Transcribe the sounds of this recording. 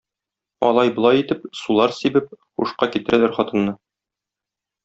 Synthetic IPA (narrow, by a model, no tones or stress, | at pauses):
ɒ̰lˠɑjbɤ̆lˠɑjit̪ɘp̚sulˠɑɾsibɘp̚χṵʃqɑkit̪ɘ̆ɾælæɾχɒt̪ɤ̆nːɤ